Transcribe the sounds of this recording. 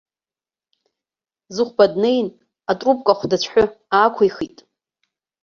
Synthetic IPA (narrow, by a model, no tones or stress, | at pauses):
zɨχʷbadnejn | atʼrup̚ʼkʷʼaχʷdat͡ɕʷʰħʷʊ | aːkʷʰaiχitʼ